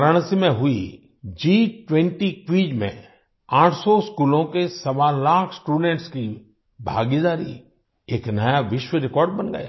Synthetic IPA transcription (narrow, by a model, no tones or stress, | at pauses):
ɾaɽ̃simẽɦʊi | d͡ʒiːʈwɛ̃ɳʈikwiːd͡ʒmḛ̃ | aːʈʰsɔɪskuːlõkesɐʋalaːkʰsʈuːɖɛ̃ɳʈski | bʱa̰ːɡid̪aːɾḭ | eːknɐjaʋɪʃwəɾɪkɔːɾɖ̚bɐnɡɐ̰ja̰ː